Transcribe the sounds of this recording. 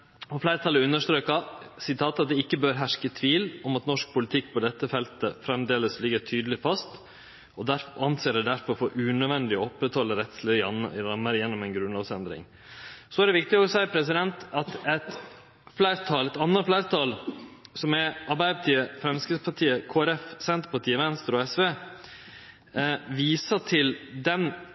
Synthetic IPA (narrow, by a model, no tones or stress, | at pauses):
ɔflæɪɾət̪ʰɑləɾʉnːəʂʈ̪ɾøːkɑsɪt̪ʰɑːt̪ɑt̪̚d̪ɛɪkːəbøːɾɦæʂkət̪ʰʋiːlɔmɑt̪nɔʂk̚pʰʊlɪt̪ʰɪkːpʰɔd̪ɛt̪ːəfɛlt̪əfɾɛmd̪eːləslɪɡəʈʰyːd̪əlɪfɑst̪ | ɔd̪æɾfɑnseːɖɛd̪æɾfɔɾfoːʔʉnœd̪ʋɛnd̪ɪɔɔpːɾɛt̪hɔlːəɾɛt̪slɪɑnɾɑmːəɾjɛnːɔmɛnɡɾʉnlɑːʋsɛnd̪ɾɪ̰ŋ | sɔæɾɖɛʋɪk̚t̪ɪɔsæɪpʰɾɛs̬ɪd̪ɛnt̪ɑt̪ɛt̪ | flæɪɾt̪ʰɑːlɛt̪ɑnːəflæɪɾt̪ʰɑːlsɔmɛɑɾbæɪəpɑt̪ʰiːəfɾɛmskəspʰɑʈʰiːəkʰoːæɾɛfsɛnt̪ɾəpɑʈiːəʋɛnst̪əɾɔɛsʋeː | ʋiːsəʈʰɪld̪ɛn